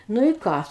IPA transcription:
ˈnʊ ɪ ˈkɑː

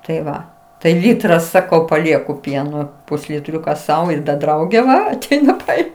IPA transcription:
tɐɪ ˈʋɐ tɐɪ ˈlʲiːtrɐ ˈsɑːkɐʊ pɐˈlʲiɛkʊ ˈpʲiɛnoː pʊsʲlʲɪˈtʲrʲʊkɐ ˈsɐʊ ɪr dɐ ˈdrɐʊɡʲeː ˈʋɐ ɐˈtʲɛɪnɐ ˈtɐɪ

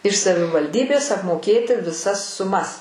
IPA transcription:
ɪʃ sɐʋʲɪʋɐlʲˈdʲiːbʲeːs ɐpmoːˈkʲeːtʲɪ ʋʲɪˈsɐs sʊˈmɐs

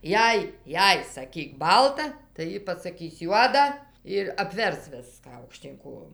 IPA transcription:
ˈjɛɪ ˈjɛɪ sɐˈkʲiːk ˈbɐlˠtɐ tɐɪ ˈjiː pɐsɐˈkʲɪs ˈjuɔdɐ ɪr ɐpʲˈʋʲɛrs ˈʋʲɪskɑː ɐʊkˈʃʲtʲiːn ˈkoːjoːm

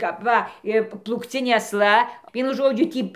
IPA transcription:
kɐp ˈʋɐ ˈɪ plˠuːkˈt͡sʲɪnʲeː ɐsˈlˠɐ ˈʋʲiɛnʊ ˈʒoːd͡ʒʲʊ ˈtʲiː

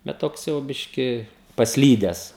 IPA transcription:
bʲɛt ˈtoːks jɛʊ ˈbʲɪʃʲkʲɪ pɐsʲˈlʲiːdʲɛs

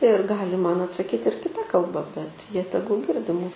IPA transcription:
ɪr ˈɡɑːlʲɪ ˈmɐn ɐtsɐˈkʲiːtʲ ɪr kʲɪˈtɐ kɐlˠˈbɐ bʲɛt ˈjiɛ ˈtʲæːɡʊlˠ ˈɡʲɪrʲdʲɪ ˈmuːs

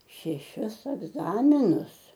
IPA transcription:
ʃʲɛˈʃʲɪs ɛɡˈzɑːmʲɪnʊs

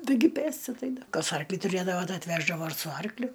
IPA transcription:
ˈtɐɪɡʲɪ ˈpʲeːsʲtʲɪ ɐtʲˈɛɪdɐ ˈkɐs ˈɐrklʲiː tʊˈrʲeːdɐʋoː ˈtɐɪ ɐtʲˈʋʲæːʒdɐʋoː sʊ ˈɐrklʲʊ

